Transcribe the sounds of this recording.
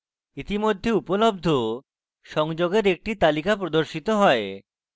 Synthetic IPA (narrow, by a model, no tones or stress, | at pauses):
it̪imod̪ʱːeupolob̚d̪ʱo | ʃɔŋd͡ʑoɡeɾek̚ʈit̪alikapɾod̪oɾʃit̪oɦɔe